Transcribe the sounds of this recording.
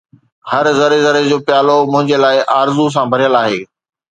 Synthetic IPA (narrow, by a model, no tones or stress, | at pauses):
hɐɾzɐɾezɐɾed͡ʑoːpɪjaːlomʊ̃ɦɪ̃ɲd͡ʑelaːɪʔaːɾzus̬ãbʱɐɾijəlaːɦeː